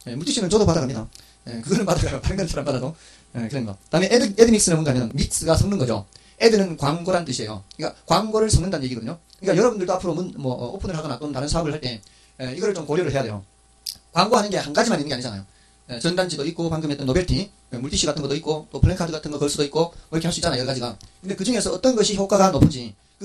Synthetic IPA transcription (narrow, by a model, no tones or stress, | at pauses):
je̞muɭtʰiɕʰinɯnt͡ɕʌdopadaɡamɲida | ekɯɡʌnɯnpadaɡaopaɾɯnŋɡʌnsʰaɾampadado | ekɯɾeniɡa̰taɦɯmeedɯmiks͈ɯnemunɡamjʌnmik̚s͈ɯɡasʰʌŋnɯnɡʌd͡ʑo̰ | edɯnɯnkwaŋɡoɾant͈ɯɕʰie̞jo̰ik͈akwaŋɡoɾɯɭsʰʌŋnɯndanɯnje̞ɡiɡʌdɯɲokɯɲikajʌɾʌbundɯɭdoapʰɯɾomunmʌopʰɯnɯɭɦaɡʌnat͈ontaɾɯnsʰaʌbɯɭhaɭt͈e̞ | eiɡʌɾɯɭt͡ɕomkoɾjʌɾɯɭɦejade̞jo̰ | kwaŋɡoɦanɯnɡe̞hanɡad͡ʑimaninːɯŋɡeaɲid͡ʑana̰jo | et͡ɕʌndand͡ʑidoik̚k͈opaŋɡɯmet͈ʌnːobeɭtʰi | emuɭtʰiɕ͈ʰiɡatʰɯnɡʌt͈oik͈ot͈opʰɯɭeŋkʰadɯɡatʰɯnɡʌkʌɭs͈udoik͈omʌiɾʌkʰeasuit͡ɕanajɡad͡ʑiɡa̰kɯnde̞kɯd͡ʑuŋe̞sʰʌʌt͈ʌnɡʌɕʰiçjok͈aɡanopʰɯnd͡ʑi | kɯ